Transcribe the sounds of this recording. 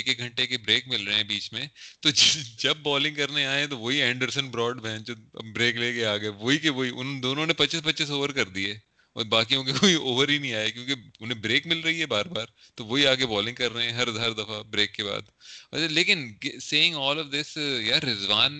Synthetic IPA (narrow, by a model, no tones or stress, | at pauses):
ekek̚ɡʱɐ̃ɳʈekebɾeːkmɪlɾɐɦeɦɛ̃biːt͡ʃmẽt̪od͡ʒɪd͡ʒɐb̚ːɔːlɪ̃ŋɡkɐɾneaːẽt̪oʋoɦiɛ̃ːɳɖəɾsə̃nbɾɔːɖbɛ̃ːnt͡ʃbɾeːkleːkeaːɡɐeʋoːikeʋoːiʔʊ̰nd̪oːnõnepɐtːt͡ʃɪspɐtːt͡ʃɪs̬oːʋəɾkɐɾd̪iɛː | ɔ̰baːkijõkekoioːʋəɾɦinɐɦĩaːjekjõːkeʊnẽbɾeːkmɪlɾɐɦiɦɛbaːɾbaːɾ | t̪oʋoːɦiaːkebɔːlɪ̃ŋɡkɐɾːɐɦeɛ̃ɦɐɾɐd̪ʱaːɾd̪ɐfabɾeːkːeba̰ːd̪̰leːkɪnseːɪ̃ŋɔːlɔʋd̪ɪsjaːɾɪzʋaːn